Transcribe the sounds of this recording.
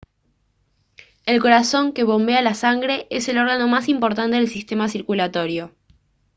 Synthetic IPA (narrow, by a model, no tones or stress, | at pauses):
elko̞ɾaso̞ŋke̞βo̞mbealasaŋɡɾe̞ʔese̞lo̞ɾɣano̞masimpo̞ɾt̪̬ant̪e̞ð̞elsist̪e̞masiɾkulat̪o̞ɾjo̞